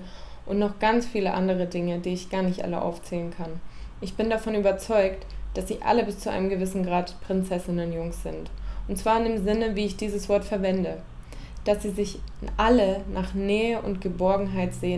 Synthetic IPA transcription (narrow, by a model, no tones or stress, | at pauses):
ʔʊntnɔχɡ̥ant͡sfiːləʔa̰ndəʁ̞ədɪŋədiːɪçɡ̥aːɐnɪçtʔa̰lə̰ʔa̰ʊft͡sɛːlənkʰanʔɪçb̥ɪndafɔnyːbɐt͡sɔʏktd̥asz̥iːʔa̰ləbɪst͡suʔa̰ɪnəmɡəvɪsn̩ɡʁaːtpʁ̥ɪnt͡sɛsɪnənjʊŋsz̥ɪntʔʊntt͡sv̥aːɐɪndeːmzɪnəviːɪçd̥iːzəsv̥ɔɐtfɛɐvɛndə | d̥asz̥iːzɪçʔalənʔaːχnɛːəʔʊ̰ntɡ̥əbɔɐɡŋ̩ɦaɪtz̥eːə